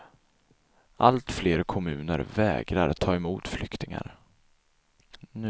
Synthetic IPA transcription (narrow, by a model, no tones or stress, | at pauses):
ʔalt̪fleːɾkʰɔmʉ̟ːnəɾvɛːɡɾaɾt̪ʰɑːɛmuːt̪flʏkt̪ɪŋa̰ɾ | n